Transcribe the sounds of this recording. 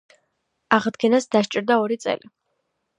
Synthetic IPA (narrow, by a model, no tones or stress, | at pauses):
aʁd̪ɡɛnasd̪aʃt͡ʃʼɾd̪aɔɾit̪sʼɛ̰li